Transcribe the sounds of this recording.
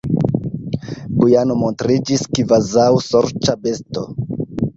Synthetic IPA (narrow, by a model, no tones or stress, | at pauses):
bujano̞montɾid͡ʒiskivazawsoɾt͡ʃabe̞sto